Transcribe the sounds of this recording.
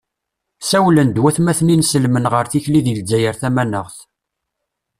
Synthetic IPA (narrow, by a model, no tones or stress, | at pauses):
sæwlənd̪wæθmæθninsəlmənʁəɾθiçliðəld͡zːæjəɾθæmænəʁθ